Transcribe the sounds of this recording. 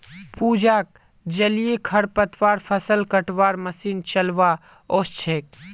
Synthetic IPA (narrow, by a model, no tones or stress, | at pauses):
puːd͡ʒaːk̚ | d͡ʒɐlijekʰɐɾpət̪ʰʋaːɾpʰəsəlkəʈʋaːɾmɐsiːnt͡ʃəlʋaː | oːst͡ʃʰeːk̚